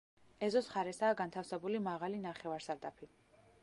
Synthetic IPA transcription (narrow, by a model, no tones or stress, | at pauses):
ɛzɔsχaɾɛsaːɡant̪ʰafsɛbulimaʁalinaχɛvaɾsaɾd̪apʰi